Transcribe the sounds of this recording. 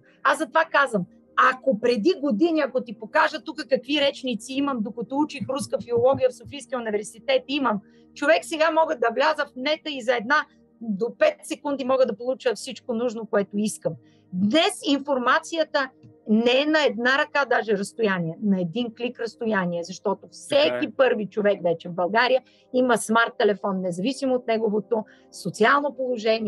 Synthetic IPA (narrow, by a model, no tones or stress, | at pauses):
azɐt̪ovakazvəm | ɐkopɾɛd̪iɡod̪iniɐkot̪ipokaʒət̪ukəkɐkviɾɛt͡ʃnit̪siiməmd̪okɐt̪ɔut͡ʃixɾuskəfiolˠɔɡʲijəfsofijskʲijunivɛɾsit̪ɛt̪iməm | t͡ʃovɛksɛɡamɔɡəd̪ɐvlʲazəfmnɛt̪əizɐɛd̪na | d̪opɛt̪sɛkund̪imɔɡəd̪ɐpolˠut͡ʃəfsit͡ʃkonuʒnokoɛt̪oiskəm | d̪nɛsinfoɾmat̪sijət̪ənɛɛnɐɛd̪naɾɐkad̪aʒɛɾəst̪ʊjaniɛnɐɛd̪inklikɾɐst̪ojaniɛzɐʃt̪ɔt̪ofsɛkʲipɤɾvit͡ʃovɛkvɛt͡ʃɛvbɐlˠɡaɾijə | iməsmaɾt̪ːɛlɛfɔnːɛzɐvisimoot̪̚nɛɡovot̪o | sot̪sialˠnopolˠoʒɛni